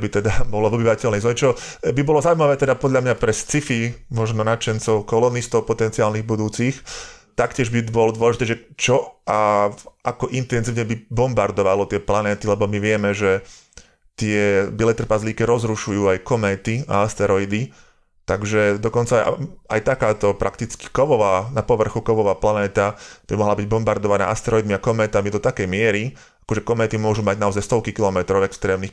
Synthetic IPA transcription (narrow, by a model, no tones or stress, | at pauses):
bit̪ɛd̪abɔlɔʋɔbiʋacɛlnɛjzɔɲɛt͡ʃɔbibɔlɔzauimaʋɛːt̪ɛd̪apɔd̪ʎamɲapɾɛst͡sifimɔʒnɔnat͡ʃɛnt͡sɔʊkɔlɔnist̪ɔʊpɔt̪ɛnt͡siaːlniɣbud̪uːt͡sixt̪akcɪɛʒbibɔlɔd̪wɔlɛʒit̪ɛːʒɛt͡ʃɔʔaakɔʔint̪ɛnziːʊɲɛbibɔmbaɾd̪ɔʋalɔt̪ɪɛplanɛːt̪ilɛbɔmiʋɪɛmɛʒɛ | t̪ɪɛbilɛt̪r̩pazliːkɛɾɔzɾuʃujuːajkɔmɛːt̪ia̰ast̪ɛɾɔid̪i | t̪aɡʒɛd̪ɔkɔnt͡sa̰a̰jt̪akaːt̪ɔpɾʔakt̪it͡ski̥kɔʋɔʋaːnapɔʋr̩xukɔʋɔʋaːplanɛːt̪ab̥imɔɦlabiɟbɔmbaɾd̪ɔʋana̰ːʔast̪ɛɾɔid̪miakɔmɛːt̪amid̪ɔt̪akɛjmɪɛɾi | ḁkɔʒɛkɔmɛːt̪imʊɔʒumaɟnaɔzajst̪ɔʊkikilɔmɛt̪ɾɔʊɛkst̪ɾɛːmnix